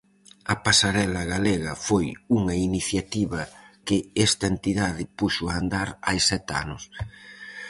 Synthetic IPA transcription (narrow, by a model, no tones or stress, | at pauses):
ɐpasaɾɛlɐɣaleɣɐfojuŋɐiniθjat̪iβɐkɪɛst̪ɐent̪iðaðɪpuʃʊaːnd̪aɾajsɛt̪a̰nʊs